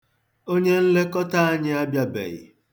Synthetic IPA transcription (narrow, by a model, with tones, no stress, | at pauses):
o˦ɲe˦n̩˦le˦kɔ˦ta˦a˦ɲɪ˦a˦bja˦bḛ˨ɣɪ̰˨